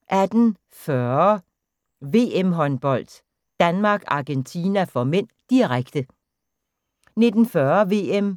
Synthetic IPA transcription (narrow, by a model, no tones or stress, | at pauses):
ʔæd̥n̩ | fœɐɐɐ | ʋe̝ːemɦɒ̽nb̥ɒ̽l̰d̥ | d̥ænmɑ̈ːɡ̥ɑ̈ɡ̥ent͡sʰiːnæfɒ̽men̰d̥iʁaɡ̥d̥ə | ne̝d̥n̩fɶɐʋe̝em